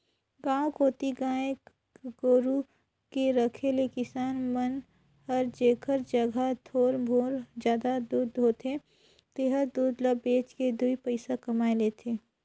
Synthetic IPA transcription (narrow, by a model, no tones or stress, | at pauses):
ɡãːõkoːt̪iɡãːek | ɡoːɾu | keɾəkʰelekɪsaːnmən | həɾd͡ʒeːkʰəɾd͡ʒəɡʱat̪ʰoːɾbʱoːɾd͡ʒjaːd̪ad̪uːd̪ɦoːt̪ʰe | t̪eɦəɾd̪uːd̪ləbeːt͡ʃked̪uipəɪsakɐmaːeleːt̪ʰeː